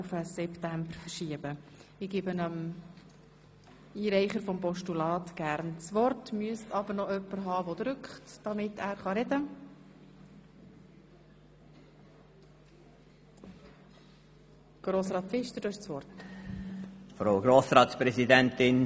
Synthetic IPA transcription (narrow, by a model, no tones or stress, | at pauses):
ufəsɛptæmbəɾfəʃiəbəɪɡ̥ɪbənəm | iːɾɛɪχəɾfɔmpɔʃtulɑːtɡ̥æɾnt͡sʋɔrtmyəstɑbəɾnɔœpːəɾɦɑːvɔd̪ɾʏkχtd̥ɑmɪtæːɾχɑɾɛdə | ɡ̥ɾoːsɾɑːtfɪʃtədɑɪʃt͡sʋɔrt | fɾaʊɡɾoːsɾɑːt̪spɾɛzidɛntɪn